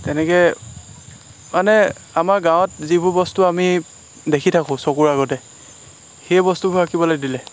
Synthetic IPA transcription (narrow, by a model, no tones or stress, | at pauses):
tɛnɛkɛ | manɛ | amaɹɡãwt̚zibʊɹbɔstuami | dekʰitʰakʊ̃sɔkuɹaɣɔtɛ | xebɔstubʱukakibɔlajdilɛ